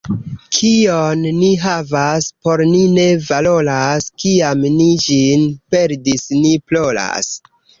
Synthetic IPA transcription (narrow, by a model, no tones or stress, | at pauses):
kʰionːiɦavaspo̞ɾnine̞valo̞laskiamnid͡ʒinpe̞ɾdisniplo̞la̰s